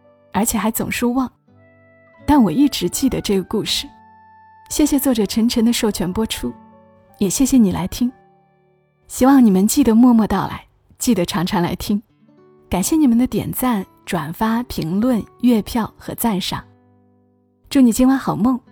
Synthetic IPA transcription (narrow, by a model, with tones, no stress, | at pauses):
ə˞˧˥t͡ɕʰjɛ˨˩xa˧˥ɪt͡sʊ̰˨˩ŋʂwɔ˥wɑ˥˩ŋ | t̪a˥˩nwɔ˨˩i˥˩ʈ͡ʂɻ̩˧˥t͡ɕi˥˩d̪ə˩ʈ͡ʂɤ˥˩ɡə˩ku˥˧ʂɻ̩˥˩ | ɕjɛ˥˩ɕjɛ˨˩t͡swɔ˥˩ʈ͡ʂɤ˨˩ʈ͡ʂʰə˧˥ŋʈ͡ʂʰɤ˧˥ŋd̪ə˧ʂo˥˩ʊt͡ɕʰɥɛ˧˥npwɔ˥ʈ͡ʂʰu˥ | jɛ˨˩ɕjɛ˥˩ɕjɛ˨˩ni˨˩la̰˧˥ɪt̪ʰi˥ŋ | ɕi˥wɑ˥˩ŋni˨˩mə˦nt͡ɕi˥˩d̪ə˩mwɔ˥˧mwɔ˥˧t̪ɑ˥˩ʊla̰˧˥ɪ | t͡ɕi˥˩d̪ə˩ʈ͡ʂʰɑ˧˥ŋʈ͡ʂʰɑ˧˥ŋla̰˧˥ɪt̪ʰi˥ŋ | ka˨˩nɕjɛ˥˩ni˨˩mə˧˦nd̪ə˧t̪jɛ̰˨˩nt͡sa˥˩n | ʈ͡ʂwa˨˩nfa˥pʰi˧˥ŋlwə˥˧nɥɛ˥˧pʰjɑ˥˩ʊxɤ̰˧˥t͡sa˥˩nʂɑ̰˨˩ŋ | t͡ɕjo˥˩ni˨˩t͡ɕi˥nwa˥˩nxɑ˨˩ʊmɤ˥˩ŋ